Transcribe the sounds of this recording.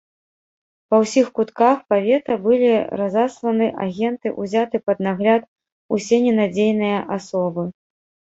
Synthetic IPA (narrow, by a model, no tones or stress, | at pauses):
pɐwsʲixkut̪kaxpavʲɛt̪ɐbɨlʲiɾazaslˠɐnɨʔa̰ɣʲɛnt̪ɨʔuzʲat̪ɨpɐd̪̚naɣlʲat̪̚ | usʲenʲɛnad͡zʲejnɨjɐʔasɔbɨ